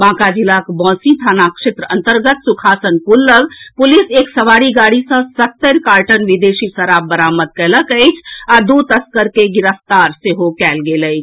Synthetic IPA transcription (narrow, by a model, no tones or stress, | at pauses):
bãːkad͡ʒilakbɔ̃ːsĩt̪ʰaːnakʃet̪ɾəə̃nt̪əɾɡət̪sukʰaːsənkulːəɡpʊliseːksəʋaːɽiɡaːɽisə̃sət̪ːəɾkaːɾʈənʋid̪eːsisəɾaːb̚bəɾaːməd̪̚kɛləkəɪt͡ʃʰad̪ut̪əskəɾkeɡɪɾəft̪aːɾseɦokɛːlɡeləjt͡ʃʰ